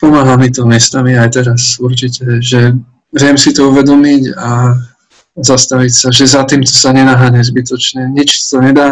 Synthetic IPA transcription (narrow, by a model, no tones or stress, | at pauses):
pɔmaːɦamit̪ɔmɪɛst̪amiajt̪ɛɾasuɾt͡ʃicɛʒɛ | ʋɾɪɛmsit̪ɔuʋɛd̪ɔmiɟa | zast̪aʋicsaʒɛzat̪iːmt̪ɔsaɲɛnaɦaɲɛzbit̪ɔt͡ʃɲɛɲit͡ʃsɔ̥t̪ɔɲɛd̪aː